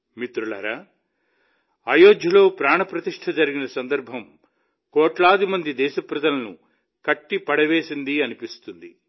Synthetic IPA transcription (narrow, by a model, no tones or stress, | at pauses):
mit̪ɾulɐ̰ɾaː | ɐjoːd͡ʒ̪jɐlo̞ːpɾaːɳɐpɾɐt̪iʂʈʰɐd͡ʒɐɾiɡinɐsɐnd̪ɐɾbʱɐm | kɔːʈlaːd̪imɐnd̪id̪ɛːʃɐpɾɐd̪ɐlɐnu | kɐʈːipɐɽɐʋe̞ːsind̪iɐnipist̪und̪i